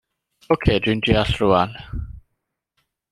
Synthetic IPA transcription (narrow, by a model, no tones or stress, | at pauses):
okʰeːdindiaɬruan